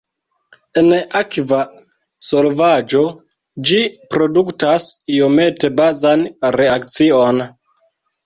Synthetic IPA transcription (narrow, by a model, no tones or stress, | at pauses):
e̞nakva | so̞lvad͡ʒo̞ | d͡ʒipɾo̞duktasio̞me̞te̞bazanɾe̞akt͡sio̞n